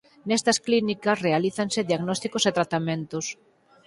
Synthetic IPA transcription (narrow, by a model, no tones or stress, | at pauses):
nɛst̪ɐsklinikɐsrealiθɐnsɪðiaɣnɔst̪ikoset̪ɾat̪amẽnt̪ʊs